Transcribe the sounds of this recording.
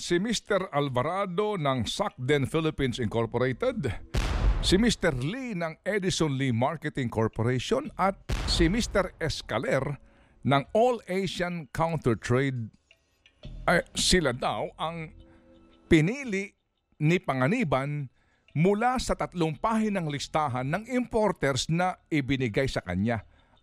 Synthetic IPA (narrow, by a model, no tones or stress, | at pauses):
sɪmist̪ɛɾɐlbɐɾad̪o̞nɐŋsak̚d̪ɛnfɪlɪpĩnsɪŋkoɹpoɾejt̪ɛd̪ | sɪmist̪ɛɾlinɐŋɛd̪ɪsonlimaɹkɛt̪ɪŋkoɹpoɾejʃonʔɐt̪̚sɪmist̪ɛɾɛskɐlɛɾ | nɐŋolejʃɐnkʰawnt̪ɛɹt̪ɹejd̪̚ | ʔɐsɪlad̪awʔɐŋ | pɪniːlɪʔ | nɪpɐŋɐniːbɐn | mʊlasɐt̪ɐt̪lʊŋpaːhɪnɐŋlɪst̪aːɦɐnːɐŋɪmpoɾt̪ɛɾsnɐʔɪbɪnɪɡajsɐkɐ̰ɲa